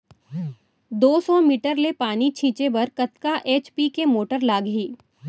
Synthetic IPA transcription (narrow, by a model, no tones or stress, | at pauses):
d̪oːsɔmiːʈəɾlepaːnit͡ʃʰĩːt͡ʃebɐɾkɐt̪kaʔeːt͡ʃpikemoːʈəɾlaːɡɦiː